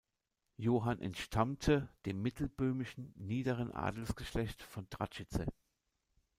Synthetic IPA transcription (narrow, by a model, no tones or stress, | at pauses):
joːɦanʔɛ̰ntʃtʰamtʰəd̥eːmːɪtʰl̩bøːmɪʃn̩niːdəʁənʔa̰ːdl̩sɡ̥əʃlɛçtfɔndʁa̰t͡ʃɪt͡sə̰